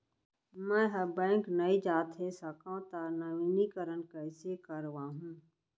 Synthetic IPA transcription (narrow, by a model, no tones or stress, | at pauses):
mɛ̃ːɦɐbɛ̃ːŋknɐid͡ʒaːt̪ɦɛsɐkãt̪aːnəʋiːnikəɾənkɛːsekəɾʋaːɦũː